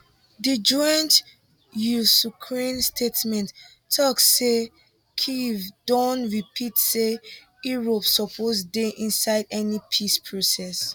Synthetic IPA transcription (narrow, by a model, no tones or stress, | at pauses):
did͡ʒɔ̃nt | jusukʰɹĩnstʰetmɛ̃nt | tʰːɔksse | kʰivdõntɹipʰitse | iɹopsɔpʰosdeʔĩnsaɪdɛnipʰispʰɹosɛs